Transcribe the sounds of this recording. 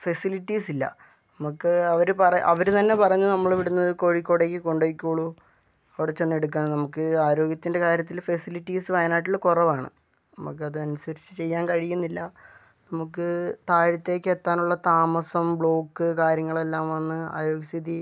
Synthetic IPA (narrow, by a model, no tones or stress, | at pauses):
fɐsiliʈːiːsilːɐ̰ | nɐmukːɨɐʋɐɾupɐrɐɐʋɐɾut̪ɐnːe̞pɐrɐɲːunɐmːɐɭʋiɽunːɐðɨko̞ɻikʲːoːɽeːkʲːɨko̞ɳɖekʲːoːɭu | ɐʋiɽet͡ɕe̞nːe̞ɽuk̬ːaːɳnɐmukːɨaːɾo̞ːɡjɐt̪ːinde̞kaːɾjɐt̪̬ːilfesiliʈːiːsɨʋɐjnaːʈ̬ːilːɐkurɐʋaːɳɨ̰ | nɐmuk̬ːɨɐðɨɐnusɐɾit͡ɕːɨt͡ɕe̞jːaːnkɐɻijːunːilːɐ | nɐmukːɨt̪aːɻɐt̪ːe̞ːkʲːet̪ːaːnuɭːɐt̪aːmɐsɐmbɭo̞ːkːɨkaːɾjɐŋːɐɭe̞lːaːmʋɐnːɨa̰ːɾo̞ːɡjɐst̪ʰiði